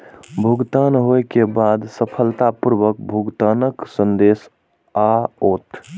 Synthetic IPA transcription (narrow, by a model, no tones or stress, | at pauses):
bʱuɡt̪anɦoekebad̪səpʰəlt̪apuɾʋək̚bʱuɡt̪anəksənd̪es | aot̪